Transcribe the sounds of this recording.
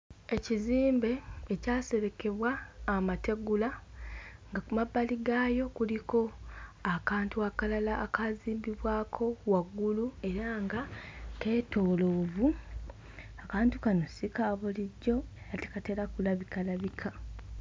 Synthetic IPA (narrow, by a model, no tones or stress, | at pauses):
e̞ciziːmbe̞ːcaːse̞ɾe̞ke̞βwaːmate̞ɡula | ŋɡakumabːaliɡajo̞kuliko̞akaːntuakalalaʔːkaziːmbiβwaːkʰo̞waɡːulue̞ɾaŋɡake̞ːto̞ːloːvu | akaːntu̥kanosikaːβuliɟːo̞eɾate̥kate̞ɾakulaβikalaβikʰa